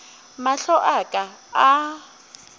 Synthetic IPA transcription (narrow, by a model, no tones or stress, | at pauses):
maɬɔʔakʼaː